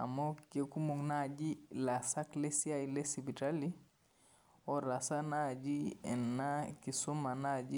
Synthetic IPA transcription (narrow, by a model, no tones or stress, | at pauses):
a̰mokekumuŋnad͡ʒilasaklesiajilesibitali | oɾasanad͡ʒiɛ̰nːakisumanad͡ʒi